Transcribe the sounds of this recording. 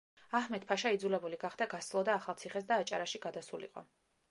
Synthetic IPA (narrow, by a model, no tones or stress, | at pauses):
ahmɛt̪̚pʰaʃaid̪zulɛbuliɡaχd̪aɡaslˠɔd̪aːχalˠt̪sʰiχɛs̬d̪aːt͡ʃʼa̰ɾaʃiɡad̪asulḭqʼɔ̰